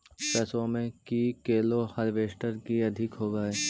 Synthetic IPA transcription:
pɛːsõmẽkikeːlohɐɾʋeːʃʈəɾkiɐd̪ʱɪkɦoːɡaeː

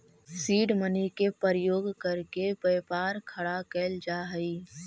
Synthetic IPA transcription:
siːɖmənikepəɾjoːɡkɐɾkepəjpaːɾkʰɐɽakeːld͡ʒaːɦəiː

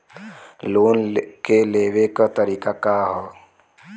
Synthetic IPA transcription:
loːnkeleːʋekat̪əɾiːkakaɦɔ

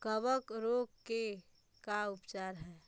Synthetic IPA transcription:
kəbəkɾoɡke | kaʊpt͡ʃaːɾɦɛː

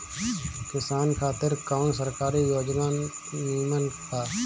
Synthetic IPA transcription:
kɪsaːnkʰaːt̪ɪɾkaʊnsəɾkaːɾijoːd͡ʒmaː | iːmənt̪ʰaː

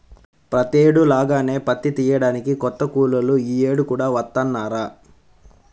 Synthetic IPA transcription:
pɾɐt̪eːɽulaːɡaːne̞ːpɐt̪ːit̪iːjɐɽaːnikikɔt̪ːɐkuːlɐluiːeːɽukuːɽaːʋɐt̪ːɐnːaːɾaː

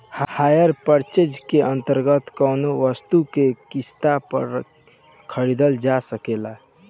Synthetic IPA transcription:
hhajəɾpəɾt͡ʃed͡ʒkeʔə̃nt̪əɾɡət̪kəʊnoʋəst̪ukekist̪apə̰ɾ | kʰəɾid̪əld͡ʒasəkela

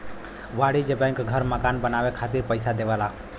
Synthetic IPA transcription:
ʋaɽid͡ʒebə̃ɪ̃ŋkɡʱəɾməkanbənawekʰat̪iɾpəɪsad̪eʋala

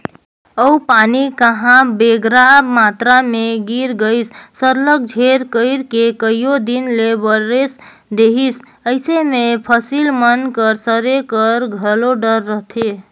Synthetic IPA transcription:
əupanikəɦãbeɡɾabmat̪ɾameɡiɾɡəɪsːəɾlək̚d͡ʒʱeɾkəɪɾkekəjjod̪inlebəɾes | d̪eɦis | əɪsemepʰəsilmənkəɾsəɾekəɾɡʱəloɖəɾːəɦt̪ʰe

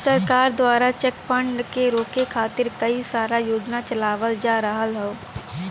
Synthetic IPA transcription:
səɾkaːɾd̪waːɾat͡ʃɛkfʰə̃ɳɖkeɾoːkekʰaːt̪ɪɾkəisaːɾajoːd͡ʒnat͡ʃəlaːʋəld͡ʒaːɾəɦəlɦɛoː

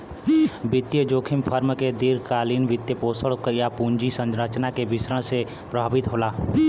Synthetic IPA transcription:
bɪt̪jəd͡ʒoːkʰɪmpʰəɾmked̪iɾkaːliːnʋɪt̪jəpoːsəɭkjapũːɲd͡ʒisə̃nd͡ʒɾət͡ʃnakebɪsɾəɽ̃se | pɾəbʱaːbɪt̪ɦoːlaː

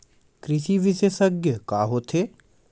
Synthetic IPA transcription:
kɾɪʃiʋɪʃeːsəɡjəkaːɦoːt̪ʰeː

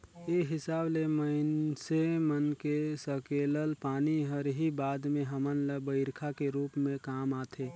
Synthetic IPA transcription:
eɦɪsaːbleməɪnsemənkesəkeːləlpaːniɦəɾɦibaːd̪mẽɦəmənləbəɪɾkʰakeɾuːpmẽkaːmaːt̪ʰeː

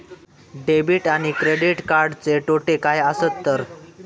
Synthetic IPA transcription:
ɖebiʈaɽ̃ikɾeɽiʈkaɾɖt͡seʈoʈekajəsət̪ːəɾ

